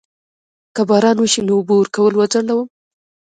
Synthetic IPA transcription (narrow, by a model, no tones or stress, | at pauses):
kabɑɾɑnwəʃinoʊbowəɾkawəlwazaɽlawəm